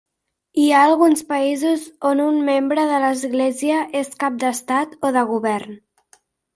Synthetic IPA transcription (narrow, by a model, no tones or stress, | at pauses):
iaːlˠɣunspəizuzonunmembɾəðələzɣleziəʔeskap̚d̪əst̪at̪oðəɣ̞uβɛrn